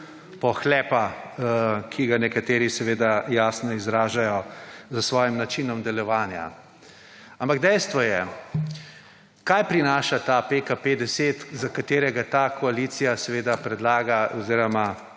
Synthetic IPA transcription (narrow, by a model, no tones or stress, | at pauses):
pɔxlɛːpa | kʰiɡanɛkat̪eːɾisɛʋeːd̪ajaːsnɔizɾaːʒajɔzasʋɔːjimnat͡ʃinɔmd̪ɛlɔʋaːnja̰ | ampaɡd̪ɛjst̪ʋɔjɛ | kaːjpɾinaːʃat̪apekaped̪ɛset̪zakat̪eːɾɛɡat̪aːkʰɔaliːt̪sijasɛʋeːd̪apɾɛd̪laːɡaɔziːɾɔma